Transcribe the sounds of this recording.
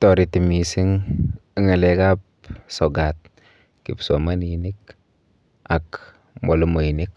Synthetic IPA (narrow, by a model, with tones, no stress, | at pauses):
tɔ˨ɾi˨ti˨mi˨si˦ŋi˦ŋa˨lɛ˨ka˦p̚ | sɔ˨ɡat̚ | kḭ˨psoma˦nːnik | a˨k | mo˨lu˦mo˨ji˨nik